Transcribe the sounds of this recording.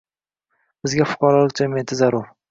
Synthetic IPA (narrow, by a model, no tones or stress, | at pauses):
b̥ɪzɡʲafʊ̥qɑɾɒlˠɪk̚ʲd͡ʒemʲent̪ʰɪzaɾof